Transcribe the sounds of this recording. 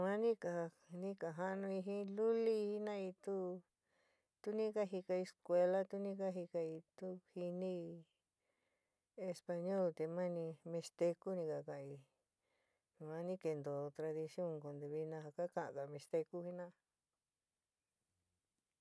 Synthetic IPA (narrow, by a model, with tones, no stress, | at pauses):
mã˦nĩ˦ka˨˧ | nĩ˦ka˨ɦa˦˧nũ˧i˧ɦĩ˦lu˦li˦˧i˦nã˦i˧t̪u˦ | t̪u˦nĩ˦ka˦ɦi˧ka˧e˧skʷe˧la˦t̪u˦nĩ˦ka˦ɦi˧ka˧i˧t̪u˦hi˧nĩ˦˧ | e˧spa˧ɲo˦˨lt̪e˧mã˦˧nĩ˧mẽ˧st̪e˧ku˦nĩ˧ka˧kã˨ʔi˧ | mã˧˦nĩ˦ke˧nd̪o˨t̪ɾa˧ði˧sjõ˦˨ŋko˨nd̪u˧βi˧nã˧ɦa˧ka˦kã˧˨ʔã̰˨ka˨mẽ˧st̪e˧ku˦hi˧nã˦